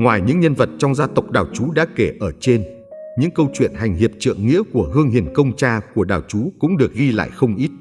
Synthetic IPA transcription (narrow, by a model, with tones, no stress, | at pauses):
ŋwaː˨˩jɲɨ̰˧˥ŋɲə˧nvə˨˩t̚t͡ɕɔ˧wŋ͡mzaː˧t̪ə˨˩wk͡p̚ɗaː˨˩wt͡ɕu˨˦ɗa̰ː˧˥ke˧˩ʔəː˧˩t͡ɕe˧n | ɲɨ̰˧˥ŋkə˧wt͡ɕwḭ˧˨ənɦa˨˩jŋ̟ɦi˨˩əp̚t͡ɕɨ̰˧˨əŋːḭ˧˥əku˧˩əɦɨ˧əŋɦi˨˩ənkə˧wŋ͡mt͡ɕaː˧ku˧˩əɗaː˨˩wt͡ɕu˨˦kʊ̰˧˥ŋ͡mɗɨ˨˩ək̚ɣi˧la̰ː˧˨jxə˧wŋ͡mʔi˦˥t̚